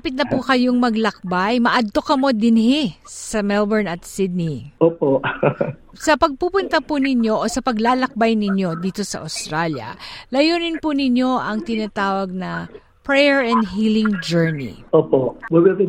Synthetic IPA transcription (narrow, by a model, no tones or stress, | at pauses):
apɪt̪nɐpukɐjoŋmɐɡlɐk̚bajmɐʔɐd̪̚t̪o̞kɐmo̞d̪ɪnhɪsɐmɛlbɛɹnɐt̪sɪd̪̚niʔoːpoʔ | sɐpɐɡ̚pupʊnt̪ɐpunɪɲjo̞ʔosɐpɐɡlaːlɐk̚bajnɪɲjo̞d̪iːt̪o̞sɐ̰ʔɐ̰wst̪ɾaljɐ̰lɐjuːnɪnpunɪɲjo̞ʔɐŋt̪ɪnat̪aːwɐɡ̚nɐ | pɹɛjɛɹɛnd̪ɦiːlɪŋd͡ʒɛɹnḭʔoːpobɐɡɐt̪ɪ